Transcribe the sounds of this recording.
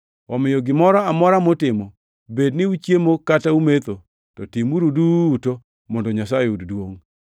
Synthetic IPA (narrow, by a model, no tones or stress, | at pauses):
ɔmɪjɔɡɪmɔɾɔamɔɾamotɪmɔ | bednɪut͡ʃjemokataumet̪o | tɔtimuɾuduto | mɔndɔɲasajeuddwoŋ